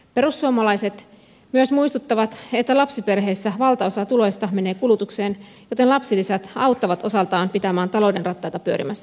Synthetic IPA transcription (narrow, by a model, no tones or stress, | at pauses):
pe̞ɾusːuomɑlɑjse̞t̪ | myøsmuist̪ut̪ːɑʋɑt̪e̞t̪ːælɑpsipe̞rɦe̞ːsːæʋɑlt̪ɑo̞sɑt̪ulojst̪ɑme̞ne̞ːkulut̪ukseːn | jo̞t̪e̞nlɑpsilisæt̪ɑwt̪ːɑʋɑt̪o̞sɑlt̪ɑːmpit̪æmæːnt̪ɑlo̞ːde̞nrɑt̪ːɑjt̪ɑpyøɾʔimæsː